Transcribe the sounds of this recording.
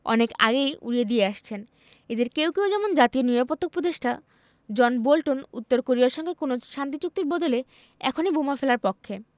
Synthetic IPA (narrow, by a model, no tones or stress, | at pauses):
ɔ̰neka̰ɡejṵɾied̪ieaʃt͡ɕʰen | ed̪eɾkewkewd͡ʑɛmond͡ʑat̪ionɾiɾapot̪ːok̚pɾod̪eʃʈa | d͡ʑɔnbolʈonṵt̪ːoɾkoɾiaɾʃɔŋɡekonoʃant̪it͡ɕuk̚t̪iɾbɔd̪ole | ɛ̰kʰonibumafelaɾpokʰːe